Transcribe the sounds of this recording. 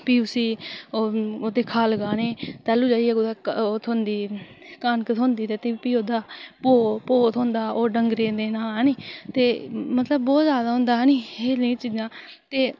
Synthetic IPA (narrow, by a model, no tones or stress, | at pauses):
piːʊsĩː | oːd̪eːkʰaːlɡãːneːt̪ɛːlũːd͡ʒaːiɛːod̪aːoːt̪ʰoːnd̪iːkaːnkət̪ʰõːnd̪iːd̪eːt̪eːpiːoːd̪aːpoːpoːt̪ʰɦõːnd̪aːʔoːɖəŋɡɾeːd̪eːnaːniːt̪eːmət̪ləbbɔːt̪zjaːd̪aːɦõːnd̪aːɦniːeːlĩːt͡ʃiːd͡ʒãː | t̪eː